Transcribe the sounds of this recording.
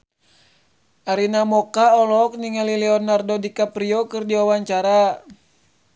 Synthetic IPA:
aɾinamɔkaɔlɔk̚niŋalilɛɔnardɔdikapɾiɔkɨrdiwawaɲt͡ʃaɾa

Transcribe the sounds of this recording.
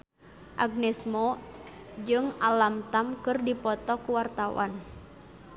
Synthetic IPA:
ʔaɡ̚nɛsmɔ | d͡ʒɨŋalamt̪amkɨrdipɔt̪ɔkuwart̪awa̰n

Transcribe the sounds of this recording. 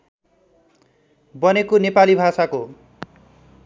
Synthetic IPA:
bʌnekonepalibʱasako

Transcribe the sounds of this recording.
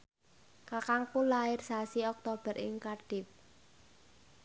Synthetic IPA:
kakaŋkulaɪrsasiɔk̚t̪ob̥ə̤ɾɪ̰ŋkarɖ̥ɪp̚

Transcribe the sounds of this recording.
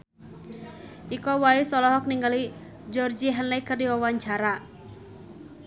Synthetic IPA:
ʔikɔwaisɔlɔɦɔk̚niŋɡali | d͡ʒɔrd͡ʒiɦənlɛkərdiwawaɲt͡ʃaɾa

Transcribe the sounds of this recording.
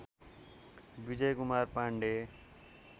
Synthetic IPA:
bid͡zʌjkumarpaɳɖe

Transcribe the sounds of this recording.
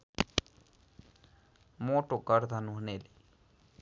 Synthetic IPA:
moːʈoːkəɾt̪ʰanũɦəneːliː

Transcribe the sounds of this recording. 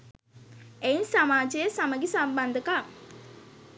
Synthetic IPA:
einsamaːd͡ʒejəsaməɡesamband̪əka

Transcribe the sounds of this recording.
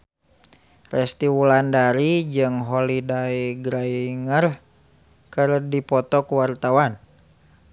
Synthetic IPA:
rɛst̪iwulandaɾid͡ʒɨŋɦolidaiɡɾaiŋər | kɨrdipɔt̪ɔkuwart̪awan

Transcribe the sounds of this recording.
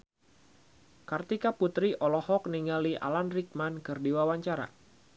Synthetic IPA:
kərt̪ikaput̪ɾiʔɔlɔhɔk̚niŋɡaliʔa̰lanrik̚mankɨrdiwawaɲt͡ʃaɾa̰

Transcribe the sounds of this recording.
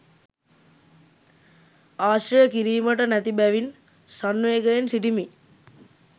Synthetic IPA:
aːsɾijəkiɾiːməʈənæt̪ibæʋin | sanʋeːɡəjensiʈimi

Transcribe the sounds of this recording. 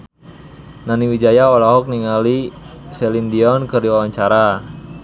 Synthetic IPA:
naniwid͡ʒajaolaɦɔk̚niŋalisɛlindiɔnkərdiwawaɲt͡ʃaɾa

